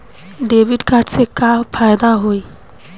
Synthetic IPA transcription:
ɖebʱiɖkaɾɖsekapʰajd̪aɦoj

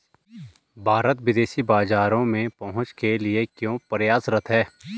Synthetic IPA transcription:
bʱaːɾət̪wɪd̪eːʃibaːzaːɾõmẽpɐɦʊ̃t͡ʃkelɪekjõːpəɾjaːsɾət̪ʰɦɛː

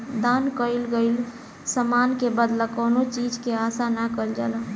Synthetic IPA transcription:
d̪ankəilɡəɪl | səmankebəd̪ləkonot͡ʃid͡ʒkeasanakəild͡ʒa̰lə

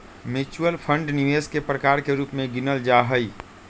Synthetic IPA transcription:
mɪt͡ʃuəlpʰə̃ɳɖnɪʋeːskepɾəkaːɾkeɾuːpmẽɡɪnəld͡ʒaɦəi

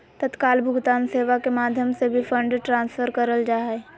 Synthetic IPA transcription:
t̪ət̪kaːlbʱʊɡt̪aːnseːʋakemaːd̪ʱjəmsebʱifʰə̃ɳɖʈɾãːnsfʰəɾkəɾəld͡ʒaːe

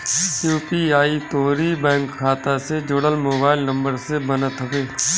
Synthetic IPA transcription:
juːpiaːit̪oːɾiːbɛ̃ːŋkʰːaːt̪ased͡ʒʊɽəlmoːbaːɪlnə̃mbəɾsebənət̪ʰəbeː

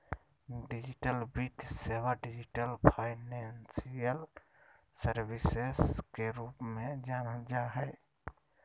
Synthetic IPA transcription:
ɖid͡ʒiʈəlbit̪seʋaɖid͡ʒiʈəlpʰaːɪnensijəl | səɾbiseskeɾupmẽd͡ʒaːnəd͡ʒaɦɛ

